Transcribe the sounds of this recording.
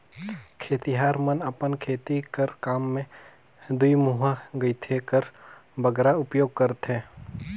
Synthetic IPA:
kʰeːt̪iɦaːɾmənɐpənkʰeːt̪ikəɾkaːmːẽ | d̪uimuɦaɡəɪt̪ʰekəɾbəɡɾaʊpjoːɡ̚kəɾt̪ɦɛː

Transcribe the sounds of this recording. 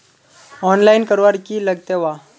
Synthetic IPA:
ɔnlainkəɾʋaɾkiːləɡt̪eʋa

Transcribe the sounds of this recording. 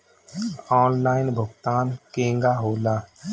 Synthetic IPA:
ɔːnlaːɪnbʱʊɡt̪aːnkẽːŋɡaːɦoːlaː

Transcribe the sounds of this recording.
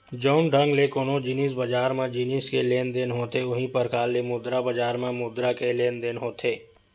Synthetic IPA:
d͡ʒɔːnɖə̃ŋɡlekoːnõd͡ʒinisbɐd͡ʒaːɾmẽd͡ʒiniskeleːnd̪enɦoːt̪eʊɦĩpəɾkaːlːemʊd̪ɾabəd͡ʒaːɾmẽmʊd̪ɾakeleːnd̪enɦoːt̪ʰeː

